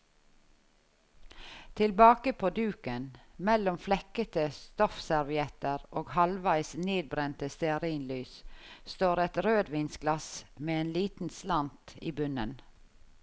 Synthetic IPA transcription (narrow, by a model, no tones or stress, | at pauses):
t̪ʰɪlbɑːkəpʰoːd̪ʉːkənmɛlʊmflɛkət̪əst̪ɔfsæɾʋɪɛt̪əɾoːɡhɑlʋæɪsneːd̪̚bɾɛnt̪əst̪ɛəɾiːnlyːsst̪oːɾɛt̪ɾøːd̪ʋiːnsɡlɑsmeːeːnliːt̪n̩slɑnt̪iːbʉnən